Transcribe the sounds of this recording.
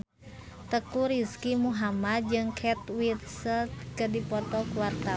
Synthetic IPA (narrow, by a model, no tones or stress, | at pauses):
t̪əkuɾiskimuɦamad̪̚d͡ʒɨŋkʰɛt̪wit̪səlt̪kədipɔrt̪ɔkuwart̪a